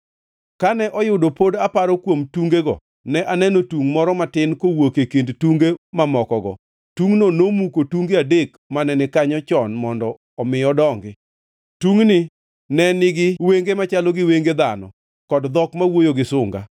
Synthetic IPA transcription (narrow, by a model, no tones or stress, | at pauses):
kanɛʔɔjʊdopodapaɾɔkwomtuŋɡeɡɔ̰ | nɛʔanɛnotuŋmɔɾɔmatɪnkowokekendtuŋɡemamɔkɔɡɔ̰ | tuŋnonomukotuŋɡeadek | manɛnɛkaɲɔt͡ʃɔnmɔndɔ | ɔmɪjɔdɔŋɡɪ | tuŋnɪ | nɛnɪɡɪweŋɡemat͡ʃalɔɡɪweŋɡed̪anɔ̰ | kɔdd̪ɔkmawojoɡɪsʊŋɡa̰